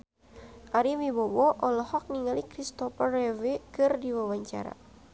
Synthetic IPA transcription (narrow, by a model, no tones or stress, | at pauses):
ʔaɾimibɔbɔʔɔlɔhɔk̚niŋalikɾist̪ɔfərɛvekɨrdiwawaɲt͡ʃa̰ɾa̰